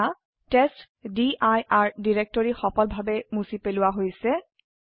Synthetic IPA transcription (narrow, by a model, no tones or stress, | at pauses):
a | test | diʔajaɹdiɹek̚tɔɹixɔpɔlbʱabɛmusipelʊwaɦojsɛ